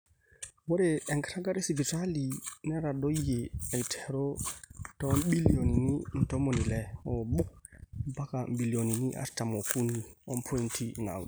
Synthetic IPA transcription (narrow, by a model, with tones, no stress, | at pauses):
wo˦ɾeɛ˨ŋkɾa˦ɡa˦ɾe˦si˨bi˨talinɛ˦ɾado˦jea˨jtʰɛ̥ɾɔtɔbi˦lioni˨nin̩tɔ˦moni˨lɛ˨ɔbu˦k̚ba˦kambi˨lio˨ni˨niʔa̰ɾta˨mo˨ku˦ni˨ɔ˦npʰɔ˦intʰina̰˨wd